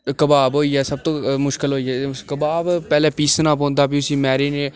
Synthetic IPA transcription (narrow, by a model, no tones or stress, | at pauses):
kəbaːbɦoːiːɛːsəb̚t̪õːmʊʃkɪlɦoːiːɛːkəbaːbpɛːleːpiːsnãːpõːnd̪aːbiʊsiːmɛːɾiːneː